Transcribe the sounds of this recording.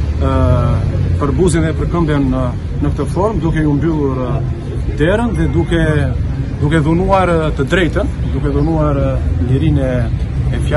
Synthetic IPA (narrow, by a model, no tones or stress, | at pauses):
pəɾbuzinðɛpəɾkəmbjɛnː | ək̚t̪əfɔɾmd̪ukɛumbylˠuɾ | d̪ɛɾənðɛd̪ukɛ | d̪ukɛðunuaɾt̪əd̪ɾɛjt̪ənd̪ukɛðunuaɾliɾinɛː | fja